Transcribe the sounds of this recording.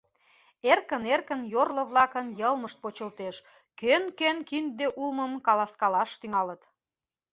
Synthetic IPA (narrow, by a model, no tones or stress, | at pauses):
erkənerkənjorlŏβlɑkənjəlməʃt̪̚pot͡ɕəlt̪eʃ | kønkønkind̪eʔulməmkɑlɑskɑlɑʃt̪yŋɑlət̪